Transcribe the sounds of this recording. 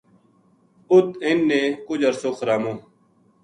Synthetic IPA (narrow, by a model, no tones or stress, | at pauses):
ʊt̪ɪnːẽːkʊd͡ʒəɾsoːxɾaːmõː